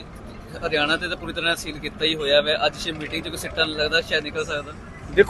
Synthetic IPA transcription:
əɾɪjaːɽ̃ãːt̪eːt̪ãːpuːɾiːt̪əɾãːəsiːlkiːt̪aːiːɦoːjaːʋɛːʔəd͡ʒʃeːmiːʈɪŋɡt͡ʃekoːsɪʈːãːnːləɡd̪aːʃɛːnɪkəlsəkd̪aː | d̪ekʰː

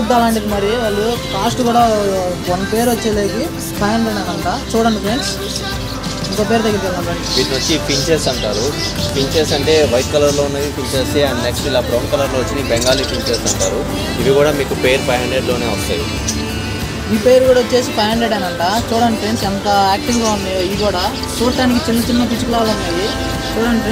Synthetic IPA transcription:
uɐlaːɳʈid̪imɐɾiʋɐɭːupʰaːsʈɡuːɽaːʋɐnpe̞ːɾʋot͡ʃːeːleːɡi | pʰɐjɐɳɖeːɽɐnɐɳʈaːt͡ʃuːɽɐɳipɾens | iŋkop̬e̞ːɾut̪ɐɡːiɾɡɐlɐɳlaːɳɖiʋiːʈinot͡ʃːipiɲt͡ʃeːsɐɳʈaːɾu | piɲt͡ʃeːsɐɳʈe̞ːʋɐjt̚kɐlɐɾloːunːɐjipiɲt͡ʃeːsiɐneksʈilaːpɾoʋɐnkɐlɐɾloːʋɐt͡ʃːinibɛŋɡaːlipiɲt͡ʃeːsɐɳʈa̰ːɾu | iʋiɡuːɽaːmiːkupe̞ːɾpɐjɐɳɖeɖlo̞ːne̞ːʋɐst̪a̰ːjḭ | iːpe̞ːɾukuːɽɐot͡ʃːe̞ːsipɐjɐɳɖeɖɐnɐɳʈaːt͡ʃuːɽɐɳɖipɾensɛnt̪ɐaːk̚ʈiŋloːund̪iiikuːɽaː | t͡ʃuːɽɐʈaːnik̬it͡ʃinːɐt͡ʃinːɐpit͡ʃukulaːlunːaːji | t͡ʃuːɽɐɳɖi

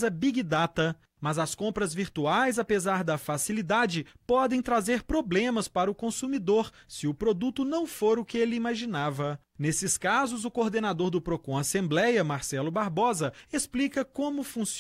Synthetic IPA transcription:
zɐbiɡid̪at̪ɐ | mɐzɐskõpɾɐzviɾt̪uajzapezaɾd̪ɐfasilid̪ad͡ʒɪpɔd̪ẽj̃t̪ɾazeɾpɾoblẽmɐspaɾɐʊkõsumid̪oɾsɪʊpɾod̪ut̪ʊnɐ̃w̃foɾʊkɪelɪimaʒinavɐ | nesɪskazʊzʊkoɾd̪enad̪oɾd̪ʊpɾokõasẽmblɛjɐmaɾsɛlʊbaɾbɔzɐesplikɐkõmʊfũs

